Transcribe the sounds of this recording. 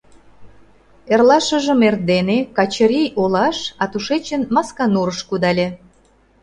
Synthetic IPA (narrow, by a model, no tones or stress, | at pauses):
erlɑʃə̆ʒə̆merd̪enekɑt͡ɕə̆ɾʲijolɑʃɑt̪uʃet͡ɕənmɑskɑnuɾəʃkud̪ɑlʲe